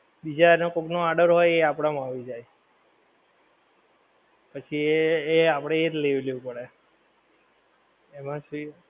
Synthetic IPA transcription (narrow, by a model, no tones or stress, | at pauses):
bid͡ʒanokoknoaɾɖəɾɦojeapɽ̃amaʋid͡ʒaj | pət͡ʃʰieːapəɽ̃eetleʋleũpəɽe | emãʃui